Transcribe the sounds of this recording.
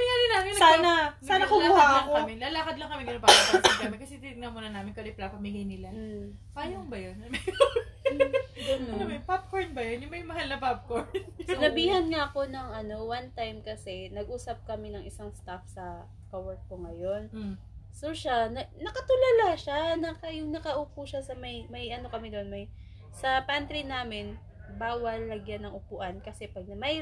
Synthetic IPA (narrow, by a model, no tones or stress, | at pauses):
mɐjaːɾɪnaːmɪnɐsanɐsaːnɐkʊmlauːhaɐaŋkoamɪnlalaːkɐd̪lɐŋkɐmɛnɪlɐpaasɐkɐmɛkɐsɛt̪ɪt̪ɪɡnɐmuːnɐnaːmɪnkɐdɛplapɐmɪɡajnɪla | paːjoŋbɐjonmɐj | ɡɐnompap̚koɹnbɐjonjʊŋmɐjmɐɦalnɐpap̚koɹnsɪnɐbiːhɐnŋaɐko̞nɐŋɐno̞want̪ajmkɐsɛnɐɡ̚ʔuːsɐp̚kɐmɪnɐŋʔɪsaŋst̪afsɐ | kɐwɛɹt̪̚koŋɐjo̞n | soʃanɐnɐkɐt̪ʊlalaʃanɐkɐjʊŋnɐkɐʔuːpuʃasɐmɐjmɐjʔɐno̞kɐmɪd̪onmɐj | sɐpant̪ɾinaːmɪn | baːwɐlːɐɡjanɐŋʔʊpuʔɐnkɐsɛpɐɡ̚nmɐj